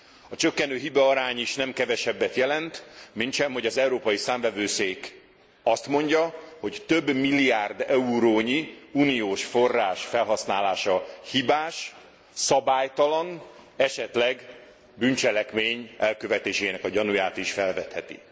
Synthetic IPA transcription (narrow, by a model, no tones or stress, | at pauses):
ɒt͡ʃø̞kːɛnøːɦibɒːɾaːɲiʃnɛmkɛvɛʃɛbːɛt̪jɛlɛnt̪mint̪ʃɛmɦo̞ɟɒzɛuɾoːpɒjisaːmvɛvøːseːk | ɒst̪mo̞ɲɟɒho̞ct̪øbːmilːijaːrd̪ɛuɾoːɲiunijoːʃfo̞rːaːʃfɛlɦɒsnaːlaːʃɒhibaːʃ | sɒbaːjt̪ɒlɒnɛʃɛt̪lɛɡ | bynt͡ʃɛlɛkmeːɲɛlkø̞vɛt̪eːʃeːnɛkɒɟɒnujaːt̪iʃfɛlvɛt̪hɛt̪ḭ